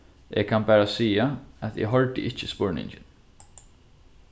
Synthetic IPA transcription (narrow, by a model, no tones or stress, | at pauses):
ʔekʰanbæːɹasiːaæt̪ḛɦɔɹt̪ɪ̰ʔɪt͡ʃːɪspɔɹnɪ̰ɲt͡ʃɪn